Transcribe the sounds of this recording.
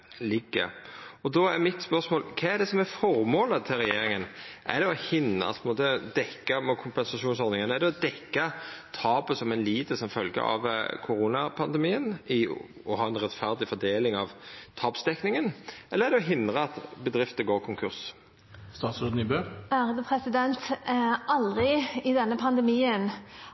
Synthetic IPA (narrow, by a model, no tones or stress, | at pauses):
lɪɡːə̰ɔd̪ɔæɾmɪt̪spœʁsmoːlkʰɛæɖ̪ɛsɔmæɾfɔɾmoːlət̪ʰɪlɾɛjeeːɾɪŋənʔæ̰ɖ̪ɛɔhɪn̰p̪ʰmoːt̪əd̪ɛkːɑmɛkʰʊmpɛnsɑʂuːnsɔd̪nɪŋənæɖ̪ɛɔd̪ɛkːɑt̪ʰɑːpəsɔmɛɪnliːt̪əsɔmfœlɡə̰ɾɑ̰ʋkʰʊɾuːnɑpʰɑnd̪ɛmiːənɪ | ɔɦɑːɛnʁɛt̪fæʁd̪ɪfɔd̪eːlɪŋɑʋt̪ʰɑːpsd̪ɛknɪŋənʔɛlːəʁæɾd̪ɛɔɦɪnd̪ʁəɑt̪bəd̪ɾʁɪft̪əɡoːkʰʊŋkʰʉɾs | st̪ɑːt̪sʉd̪n̩ɪbøːæːɾəd̪əpʰɾɛsɪd̪ɛnt̪ʔɑld̪ʁɪɪd̪ɛnːəpʰɑnd̪əmiːən